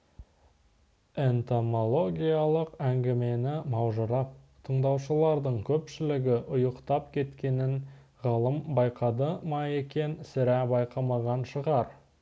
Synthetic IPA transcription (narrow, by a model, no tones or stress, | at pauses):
e̞nt̪omo̞lˠo̞ɡʲijalˠəqæŋɡʲɪme̞nɪmɑwʒəɾɑp̚ | t̪ʰəɴd̪ɑwʃəlˠɑɾd̪əɴkʲʰɵpʃɪlɪɡʲɪʔʊjəqt̪ɑpkʲʰe̞t̪kʲe̞nɪn | ʁɑlˠəmbɑjqɑd̪əmɑe̞kʲe̞nsɪɾæbɑjqɑmˠɑʁɑnʃəʁɑɾ